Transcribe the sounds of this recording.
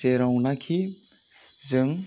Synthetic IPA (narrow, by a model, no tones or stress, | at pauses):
eɾawnakʰi | zəŋ